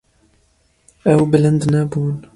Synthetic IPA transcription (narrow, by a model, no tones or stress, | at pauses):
ʔawbɪland̪naːbuːn